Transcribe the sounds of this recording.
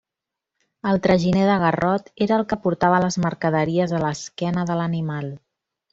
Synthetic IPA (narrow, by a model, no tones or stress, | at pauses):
əlˠt̪ɾəʒineðəɣ̞ərɔt̪eɾəːlˠkəpuɾt̪aβələzməɾkəðəɾiəzələskɛnəðələnimalˠ